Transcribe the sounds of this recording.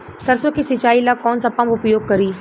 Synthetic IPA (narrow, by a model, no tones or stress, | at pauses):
t̪ɐɾsokisɪt͡ʃaːilakɔːnsɐpãmʊpjoːɡ̚kɐɾiː